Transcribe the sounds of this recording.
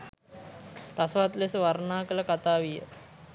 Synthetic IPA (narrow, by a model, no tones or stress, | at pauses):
ɾasʋat̪lesəʋaɾnaːkələkat̪aːʋijə̰